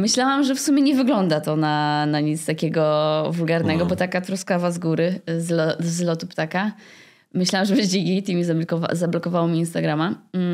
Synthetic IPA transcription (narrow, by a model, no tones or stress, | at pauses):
mɘɕlawamʐɛfsumʲɛɲɛvɘɡlɔnd̪at̪ɔnanaɲit̪st̪akʲɛɡɔvulɡaɾnɛɡɔbɔt̪akat̪ɾɔskavazɡuɾɘzlɔzlɔt̪upt̪aka | mɘɕlawamʐɛbɛʑd͡ʑeɡʲejt̪imʲizakɔva̰zablɔkɔvawɔmʲiːnst̪aɡɾama